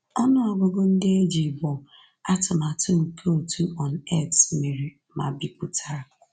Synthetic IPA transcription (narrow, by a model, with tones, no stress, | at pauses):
ɔ˦nʊ˦ɔ˨ɡʊ˨ɡʊ˦n̩˦dɪ˦e˦d͡ʒi˨bɔ˨ | a˦tʊ˨ma˨tʊ˦ŋ̩˨kʰo˦o˨tu˦ɔ˨n̩ɛ˦tsmi˨ɾi˨ | ma˨bi˨k͡pu˦tʰa˦ɾ